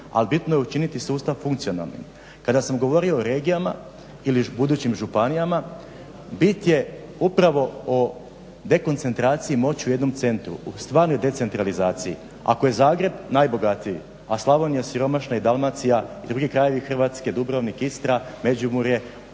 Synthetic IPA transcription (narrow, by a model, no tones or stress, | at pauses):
a̰libit̪no̞jeut͡ʃinit̪isuːst̪aʋfuŋkt̪sio̞na̰lˠnḭn | kad̪asamɡo̞ʋo̞ɾio̞ːɾe̞ːɡijama̰ | ilibud̪uːt͡ɕimʒupanijama | bit̪jeupɾaʋo̞o | d̪e̞ko̞nt̪se̞nt̪ɾaːt̪sijimo̞t͡ɕuje̞d̪no̞mt̪se̞nt̪ɾṵst̪ʋaːɾno̞jd̪e̞se̞nt̪ɾalizaːt̪siḭ | a̰koje̞zaːɡɾe̞bnajbo̞ɡat̪iji | aslˠaʋonjesiɾo̞maʃnaid̪alˠmat̪sijaid̪ɾuːɡikɾaje̞ʋixr̩ʋaːt̪ske̞d̪ubɾoʋnikist̪ɾame̞d͡ʑumuɾje̞